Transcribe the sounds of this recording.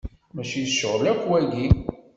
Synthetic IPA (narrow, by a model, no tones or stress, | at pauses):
mæʃijəsːəʁlækʷːwæɡi